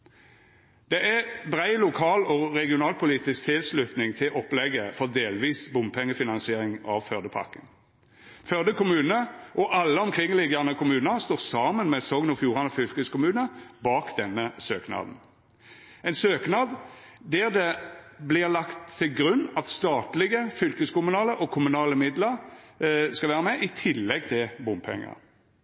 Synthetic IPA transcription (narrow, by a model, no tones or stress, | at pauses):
d̪̥ɛʔæbʁæɪlʊkʰɑːlɔʁɛɡɪʊnɑːlpʰʊliːt̪ɪsk̚t̪ʰɪlslʉt̪nɪŋt̪ʰɪlʔɔplɛɡəfɔʁd̪eːlʋiːsbʊmpʰɛŋːəfɪnɑnsɪeːʁɪŋɑʋfœʁd̪əpʰɑ̰ʁkən | fœd̪əkʊmʉːnəʔɔʔɑlːəɔmkʰʁɪŋlɪɡənəkʰʊmʉːnəʁst̪oːʁsɑːmənmɛsɔŋnɔfjuːʁɑnɔfʏlkəskʊmʉːnəbɑːkd̪ɛnːəsøːknɑ̰ːd̪n̩ | ɛɪnsøːknɑːd̪ | d̪æʁd̪ɛblɪʁlɑkt̪ʰːɪlɡʁʉnːɑt̪st̪ɑːt̪lɪɡəfʏlkəskʊmʉnɑːləʔɔkʰʊmʉnɑːləmɪd̪ləʁ | skɑʋæːʁəmɛʔɪt̪ʰɪlːɛɡ̚t̪ʰɪlbʊmpʰɛ̰ŋːə̰